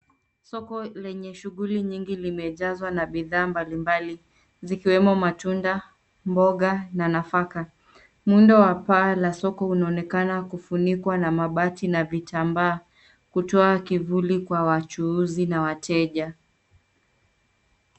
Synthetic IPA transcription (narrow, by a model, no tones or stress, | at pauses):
sɔkɔlɛɲɛʃuɣuliɲiŋɡilimɛʄazwanaɓiðaːmbalimbali | zikiwɛmɔmatunda | mbɔɠananafaka | mundawapaːlasɔkɔunaɔnɛkanakufunikwanamaɓatinavitambaː | kutɔakivulikwawat͡ʃuuzinawatʰɛʄa